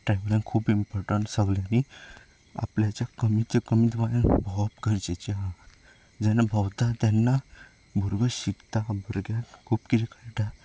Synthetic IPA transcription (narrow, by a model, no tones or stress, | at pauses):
ʈɾajmlãŋkʰuːpimpɔɾʈəɳʈsəɡljani | a̰pljat͡ɕjakəmit̪əkəmit̪ʋajanbʱɔpɡəɾt͡ɕet͡ɕi | d͡ʑɛnːabʱawt̪at̪janːa | bʱuɾɡəɕiɡt̪abʱəɾɡakʰuːpkit̪ʰekaɭʈa